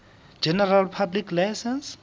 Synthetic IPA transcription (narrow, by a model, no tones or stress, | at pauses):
d͡ʒɛnɛralpʰablikʰlajsɛns